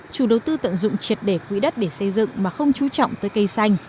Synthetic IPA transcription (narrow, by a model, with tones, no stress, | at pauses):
t͡ɕu˨˧˩ɗə˨˩wt̪ɨ˧t̪ə̰˧˨nzʊ̰˧˨ŋ͡mt͡ɕwi˨˩ət̚ɗe˧˩kwḭ˧˥ɗə˦˥t̚ɗe˧˩sə˧jzɨ̰˧˨ŋmaː˨˩xə˧wŋ͡mt͡ɕu˨˦t͡ɕɔ̰˧˨wŋ͡mt̪əː˨˦jkə˧jsa˧jŋ̟